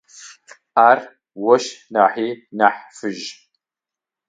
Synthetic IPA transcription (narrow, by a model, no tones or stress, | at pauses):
aːr | wɔʃnaːħiːnaːħfɨʒ